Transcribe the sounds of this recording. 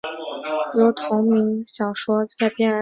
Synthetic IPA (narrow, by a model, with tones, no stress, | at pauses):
jjo˧˥ʊt̪ʰʊ˧˥ŋmi˧˥ŋɕjɑ˨˩ʊʂwɔ˥a˥˩pjɛ˥nə˧˥